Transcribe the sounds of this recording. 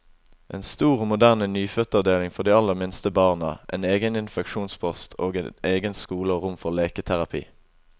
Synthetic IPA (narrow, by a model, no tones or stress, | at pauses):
ʔḛːnst̪uːʁoːmʊd̪æʁnənyːfœt̪ɑʋd̪eːlɪŋfɔʁd̪iːɑlːəʁmɪnst̪əbɑːʁnə̰ʔḛːneːɡənɪnfɛkʃuːnspʰɔst̪ʰoːɡḛneːɡənskuːləoːʁʊmfɔʁleːkət̪ʰæʁɑpʰḭː